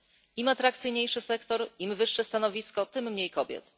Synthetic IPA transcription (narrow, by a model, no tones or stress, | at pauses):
imat̪ɾakt̪sɘjɲejʂɘsɛkt̪ɔɾimvɘʂːɛst̪anɔvʲiskɔt̪ɘmːɲejkɔbʲjɛ̰t̪